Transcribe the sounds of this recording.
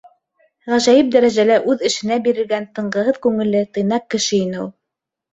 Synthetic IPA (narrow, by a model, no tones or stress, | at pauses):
ʁæʒæjɘp̚d̪æɾæʒælæʔʉðɘ̆ʃɘ̆næbiɾɘ̆ɾɡænt̪ɤ̆ɴɢɤ̆ɦɤðkʉŋɘ̆lːɘt̪ɤ̆jnɑq̚kːɘ̆ʃɘinɘulˠ